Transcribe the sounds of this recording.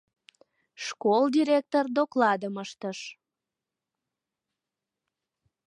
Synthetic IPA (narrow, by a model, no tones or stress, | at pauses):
ʃkold̪ʲiɾʲek̚t̪ord̪oklɑd̪əməʃt̪əʃ